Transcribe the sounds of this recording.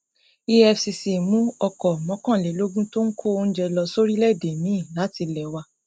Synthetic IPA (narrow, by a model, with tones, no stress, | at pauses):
i˧ɛ˧fsi˧si˨mũ˨˦ɔ˧kɔ˨mɔ̃˨˦kã˦˨le˨˦lo˦ɡũ˦to˦n̩˦kʰo˦˨o˧n̩˦d͡ʒɛ˧lɔ˧so˦ɾi˦lɛ˦˨de˨mĩ˨˦ĩ˦˨la˨˦ti˧lɛ˨wa˧